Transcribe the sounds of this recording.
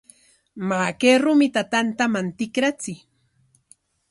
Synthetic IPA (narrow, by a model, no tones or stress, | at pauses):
maːkeɾʊmɪt̪at̪ant̪amant̪ɪkɾat͡sɪ